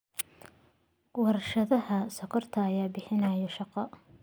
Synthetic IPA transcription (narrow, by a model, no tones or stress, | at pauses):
wɑɾɐʃɐðɐhɐsɔkʰɔrt̪ʰɐːjaːbɪħɪnɐjɔʃɑqɔ